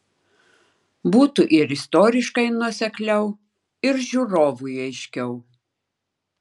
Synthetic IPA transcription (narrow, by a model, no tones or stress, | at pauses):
buːt̪ʊʔɪɾɪst̪oːɾʲɪʃkɐɪnuɔsʲɛklʲɛʊ | ɪɾʒʲuɾoːʋujɐɪʃʲkʲɛʊ